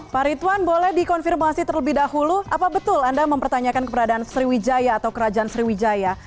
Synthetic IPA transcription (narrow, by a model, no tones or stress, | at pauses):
paɾit̪wanbolɛhdikɔnfirmasit̪ərləbɪhdahuluʔapabət̪ʊlandaməmpərt̪aɲakankəpəɾadaːnsəɾiwid͡ʒajaːt̪awkəɾad͡ʒaansəɾiwid͡ʒaja